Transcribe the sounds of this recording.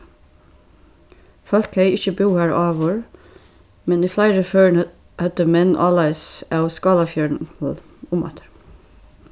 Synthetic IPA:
fɑlkhæɪɪçəbuːhæːɹɑːʋoːɹ | mɛniːflæɪɾəføːɳ | hœt̪əmɛnʔɑ̰ːlɑɪsɑʊskɑːlɑfjœːɳɔl | ʊmɑ̰t̪ʰ

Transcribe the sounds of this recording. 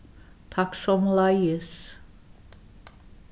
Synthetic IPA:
t̪ʰɑksɔmlɑjəs

